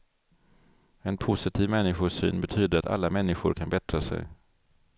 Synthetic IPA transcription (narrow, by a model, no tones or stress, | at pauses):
ɛnpʰʊsɪt̪ʰiːvmɛnːɪɧʊʂy̰ːnbɛt̪ʰyːd̪əɾat̪a̰lːamɛnːɪɧʊɾkʰanbɛt̪ɾasɛ̰j